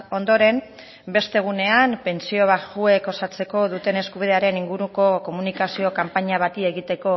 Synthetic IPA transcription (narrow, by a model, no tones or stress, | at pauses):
o̞nd̪o̞ɾe̞m | be̞st̪e̞ɣ̞une̞ampe̞nt͡sio̞βaxue̞ko̞sat͡se̞ko̞ðut̪e̞ne̞skuβ̞iðe̞aɾe̞niŋɡuɾuko̞ko̞munikasio̞kampaɲaβ̞at̪ie̞ɣit̪e̞ko̞